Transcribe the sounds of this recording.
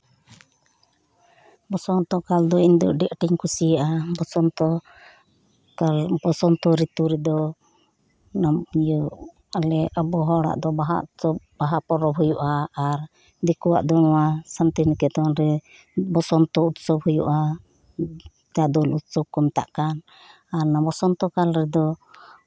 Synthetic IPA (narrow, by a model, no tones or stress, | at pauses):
bɔsɔnt̪ɔkald̪ɔind̪ɔ̰ʔɖɛʔʈiɲkʰusijaʔabɔsɔnt̪ɔ | kalbɔsɔnt̪ɔɾit̪uɾɛd̪ɔ | namijuʔ | alɛabɔɦɔɽa̰ʔd̪ɔbaɦa̰ʔsɔb̚baɦapɔɾɔbɦujuʔaːɾ | d̪ɛkuwa̰ʔd̪ɔnɔwasant̪inɛkɛt̪ɔnɾɛ | bɔsɔnt̪ɔut̪sɔbɦujṵʔa | t̪ad̪ɔlut̪̚sɔb̚kɔmt̪a̰ʔkan | aɾnabɔsɔnt̪ɔkalɾɛd̪ɔ